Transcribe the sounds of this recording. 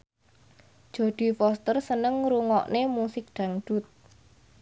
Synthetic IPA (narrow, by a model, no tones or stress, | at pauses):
d̥ʒ̥o̤d̪̥i̤fɔst̪ərsənəŋɾuŋɔʔnemusɪk̚ɖ̪̥ä̤ŋɖ̥ṳt̪̚